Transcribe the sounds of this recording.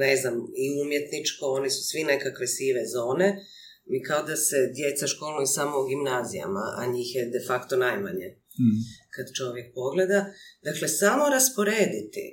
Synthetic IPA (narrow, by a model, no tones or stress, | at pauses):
neznamiumje̞t̪nit͡ʃko̞o̞nisu̥sʋine̞kakʋe̞siʋezo̞ːne̞ | mikaod̪ase̞d̪je̞t̪saʃkolˠnuisaːmouɡimnaːzḭja̰ma̰ʔa̰ɲiːxjed̪e̞fakt̪onajmaɲe | kad̪t͡ʃo̞ʋje̞k̚po̞ɡle̞d̪ad̪akle̞samo̞ɾaspo̞ɾeːd̪it̪ḭ